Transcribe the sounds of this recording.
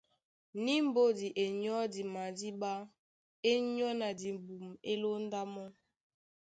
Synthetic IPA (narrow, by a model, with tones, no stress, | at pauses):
ni˦m̩˦bo˦di˨ʔe˨ɲɔ˦di˨ma˨di˦ɓa˦ | e˦ɲɔ˦na˨di˨bu˨me˦lo˦n˦da˦mɔ˦